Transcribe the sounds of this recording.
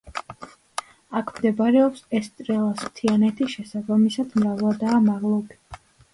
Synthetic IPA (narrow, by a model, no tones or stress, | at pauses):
akʰmd̪ɛbaɾɛɔpsɛst̪ʼɾɛlˠasmt̪ʰianɛt̪ʰiʃɛsabamisad̪mɾavlˠad̪aːmaʁlˠɔbi̥